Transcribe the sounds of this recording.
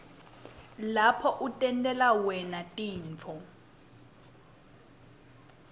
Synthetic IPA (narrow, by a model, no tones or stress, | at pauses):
lapʰɔʔutʼɛntʼɛlawɛnatʼiːɱt͡fʰɔ